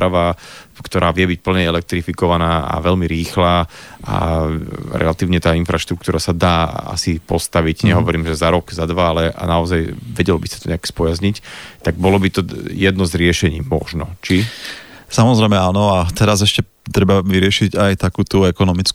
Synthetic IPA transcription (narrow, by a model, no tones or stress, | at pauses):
ɾaʋaːkt̪ɔɾʔaːʋɪɛbic̚pl̩ɲɛɛlɛk̚t̪ɾifikɔʋanaːa̰ʋɛʎmiɾiːxlaːʔa̰ | ɾɛ̰lat̪iːʊɲɛt̪aːinfɾaʃt̪ɾuk̚t̪uːɾasad̪aːa̰sipɔst̪aʋiɟɲɛɦɔʋɔɾiːmʒɛzaɾɔɡzad̪ʋaalɛʔa̰naɔzajʋɛɟɛlɔbisḁt̪ɔɲɛakspɔjazɲict̪aɡ̚bɔlɔbit̪ɔjɛd̪nɔzɾɪɛʃɛɲiːmɔ̰ʒnɔt͡ʃi | samɔzɾɛjmɛanɔat̪ɛɾazɛʃcɛ | t̪ɾɛbaʋiɾɪɛʃiɟajt̪akuːt̪uɛkɔnɔmit͡sk